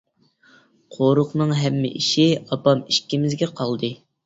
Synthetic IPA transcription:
qʰoɾʊqnɨŋɦɛmːɪ̰ʔiʃiɑpɑmiʃkʲimɪzɡʲɛqʰɑlˠd̪ɨ

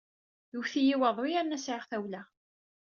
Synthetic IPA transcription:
ðuwθijiwəðˤʊjæɾnæsʕɪʁθæwlæ

